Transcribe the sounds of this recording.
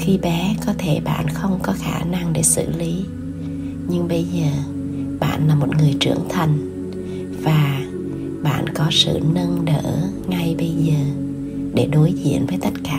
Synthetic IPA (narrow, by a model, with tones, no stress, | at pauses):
xi˧ɓɛ˨˦kɔ˨˦t̪ʰe˧˩ɓa̰ː˧˨nxə˧wŋ͡mkɔ˨˦xaː˧˩na˧ŋɗe˧˩sɨ̰˧˨li˨˦ | ɲɨ˧ŋɓə˧jzəː˨˩ | ɓa̰ː˧˨nlaː˨˩mo˨˩t̚ŋɨ˨˩əjt͡ɕɨ̰˧˩əŋt̪ʰə˨˩n | v̥aː˨˩ | ɓa̰ː˧˨nkɔ˨˦sɨ̰˧˨nə˧nɗə̰ː˧˩˨ | ŋa˧jɓə˧jzəː˨˩ | ɗe˧˩ɗo˨˦jzḭ˧˨ənvəː˨˦jt̪ə˦˥t̚kaː˧˩